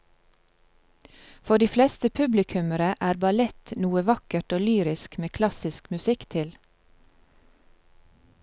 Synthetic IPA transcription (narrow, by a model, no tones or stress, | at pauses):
fɔɖiːflɛst̪əpʰʉblɪkʰʉməɾəʔæːɾbɑlɛt̪nuːəʋɑkəʈoːlyːɾɪskmeːkʰlɑsɪskmʉsɪkt̪ʰɪl